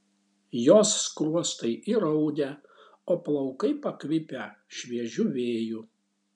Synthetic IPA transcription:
joːsːkɾuɔst̪ɐɪʔiɾɐʊd̪ʲɛ | oːplˠɐʊkɐɪpɐkʋʲɪpʲɛʃʲʋʲiɛʒʲʊʋʲeːju

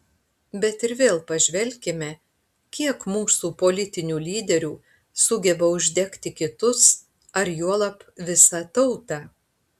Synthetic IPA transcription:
bʲɛt̪ɪɾʋʲeːlˠpɐʒʲʋʲɛlʲkʲɪmʲɛ | kʲiɛkmuːsuːpoːlʲɪt̪ʲɪnʲuːlʲiːd̪ʲɛɾʲuː | sʊɡʲɛbɐʊʒʲd̪ʲɛkt̪ʲɪkʲɪt̪ʊs | ɐɾjuɔlˠɐpʋʲɪsɐt̪ɐʊt̪ɑ

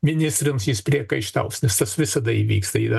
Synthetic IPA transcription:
mʲɪnʲɪst̪ʲɾʲɪmsjɪspʲɾʲiɛkɐɪʃt̪ɐ̰ʊsnʲɛst̪ɐsʋʲɪsɐd̪ɐiʋʲḭːkst̪ɐḭːd̪ɐ

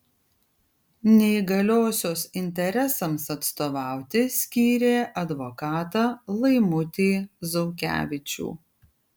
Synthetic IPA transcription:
nʲɛɪɡɐlʲoːsʲoːsɪnʲt̪ʲɛɾʲɛsɐmsɐt̪st̪oːʋɑˑʊt̪ʲɪsʲkʲiːɾʲeːʔɐd̪ʋoːkɑːt̪ɑːlˠɐɪmʊt̪ʲeːzɔʊkʲæ̰ːʋʲɪt͡ʃʲṵː

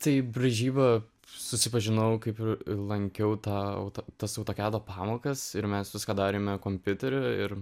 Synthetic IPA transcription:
t̪ɐɪbʲɾʲɐʒʲiːbɐ | sʊsʲɪpɐʒʲɪnɐʊkɐɪpɪrlˠɐŋʲkʲɛʊt̪ɑːɐ̰ʊt̪ot̪ɐsɐʊt̪oːkʲæːd̪oːpɑːmoːkɐsɪɾmʲɛsʋʲɪskɑːd̪ɑːɾʲeːmʲɛkoːmʲpʲʊt̪ʲɛɾʲʊɪɾ

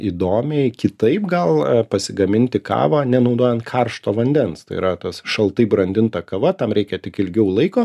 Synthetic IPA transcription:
iːd̪oːmʲɛɪkʲɪt̪ɐɪpɡɐlˠpɐsʲɪɡɐmʲɪnʲt̪ʲɪkɑ̰ːʋaːnʲɛnɐʊd̪oːjɛnt̪̚kʰɐrʃt̪oːʋɐnʲd̪ʲɛnst̪ɐ̰ɪḭɾɐt̪ɐsʃɐlˠt̪ɐɪbɾɐnʲd̪ʲɪnt̪ɐkɐʋɐt̪ɐmɾʲɛɪkʲɛt̪ʲɪkɪlʲɡʲɛʊlˠɐɪkoː

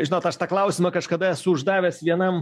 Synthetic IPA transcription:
ʒʲɪnoːt̪ɐʃt̪ɑklˠɐʊsʲɪmɐkɐʃkɐd̪ɐɛsʊʊʒd̪ɑːʋʲɛːsʋʲiɛnɐm

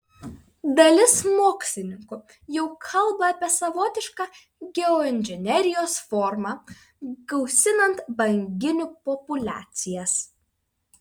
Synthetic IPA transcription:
d̪ɐlʲɪsmoːksʲlʲɪnʲɪŋkʊ | jɛʊkʰɐlˠbɐɑːpʲiɛsɐʋoːt̪ʲɪʃkɑː | ɡʲɛɔɪnʲʒʲɪnʲɛɾʲɪjoːsfɔɾmɑ | ɡɐʊsʲɪnɐnt̪bɐŋʲɡʲɪnʲʊpɔpʊlʲæ̰ːt̪sʲɪjɛs

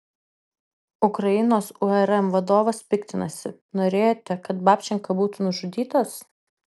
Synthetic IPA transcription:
ʊkɾɐjɪnoːsʊɛɾɛmʋɐd̪oːʋɐspʲɪkt̪ʲɪnɐ̰sʲɪ | noːɾʲeːjoːt̪ʲɛkɐt̪bɑːpʲt͡ʃʲɛŋkɐbuːt̪unʊʒʊd̪ʲiːt̪ɐs

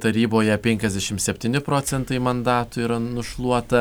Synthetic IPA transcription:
t̪ɐɾʲiːboːjɛpʲɛŋʲkʲɛzd̪ʲɛʃʲɪmsʲɛpʲt̪ʲiːnʲɪpɾoːt͡ssʲɛnt̪ɐɪmɐnd̪ɑːt̪ʊiːɾɐnʊʃlˠuɔt̪ɐ

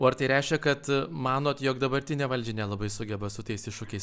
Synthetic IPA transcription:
oːɐɾt̪ɐɪɾʲɛɪʃʲkʲɛkɐt̪mɑːnoːt̪joːkd̪ɐbɐɾʲt̪ʲɪnʲeːʋɐlʲd͡ʒʲɛnʲɛlˠɐbɐɪsʊɡʲɛbɐsʊt̪ɐɪsɪʃʊkʲɛɪs

